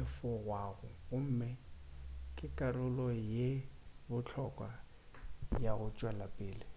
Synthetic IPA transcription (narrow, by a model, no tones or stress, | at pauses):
ɪfɔɣwaɣʊʊm̩ːmɪ | kʼɪkʼarʊlɔjebʊt͡ɬʰɔkʼwa̰ | jaɣʊt͡ʃʼwalapʼɪːlɪ